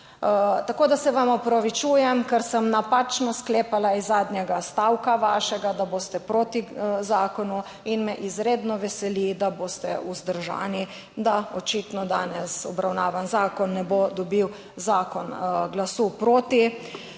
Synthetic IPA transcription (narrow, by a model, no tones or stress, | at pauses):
t̪akoːd̪asɛʋamɔpɾɔʋit͡ʃuːjɛmkɛɾsəmnapat͡ʃnɔskleːpalaizːaːd̪njɛɡast̪awkaʋaːʃɛɡad̪aboːst̪ɛpɾoːt̪izaːkɔnu | inmɛʔizɾeːd̪nɔʋɛsɛlid̪aboːst̪ɛuzd̪əɾʒa̰ːni | d̪aɔt͡ʃiːt̪nɔd̪a̰ːnɛsɔbɾawnaːʋanzaːkɔnːɛbod̪ɔbiw | zaːkɔnɡlasupɾoːt̪i